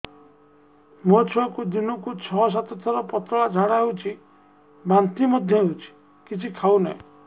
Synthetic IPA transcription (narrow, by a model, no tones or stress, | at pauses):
mot͡ʃʰuakud̪inɔkut͡ʃʰɔs̬at̪ɔt̪ʰɔɾɔpɔt̪ɾɔɭad͡ʒʱaɽaɦewt͡ʃʰi | bant̪imɔd̪ʱjɔɦewt͡ʃʰi̥ | kit͡ʃʰikʰaunaĩ